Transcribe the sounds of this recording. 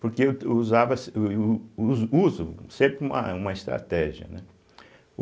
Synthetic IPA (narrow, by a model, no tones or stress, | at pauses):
puɾkew̪uzavɐs | zuzusẽmpɾumɐ̰umɐiʃt̪ɾa̰t̪ɛʒiɐ̰nɛ